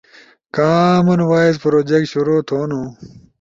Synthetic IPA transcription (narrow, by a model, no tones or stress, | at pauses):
kaːmɐnwaːizpɾoːd͡ʑek̚ʈɕuɾoːt̪ʰoːnõ